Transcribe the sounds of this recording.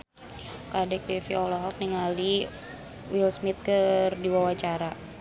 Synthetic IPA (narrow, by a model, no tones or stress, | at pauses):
kadɛk̚bɛfiɔlɔɦɔk̚niŋali | wilsmit̪̚kərdiwawat͡ʃaɾa